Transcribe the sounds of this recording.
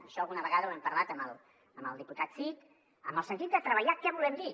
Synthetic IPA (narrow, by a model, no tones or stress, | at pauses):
əʃɔəlɣunəβəɣaðəwɛmpəɾlat̪əmə̰lˠ | əmbə̰lˠd̪iput̪at̪sik | əmbəlˠsənt̪it̪̚d̪ət̪ɾəβəʎakɛβulɛmd̪i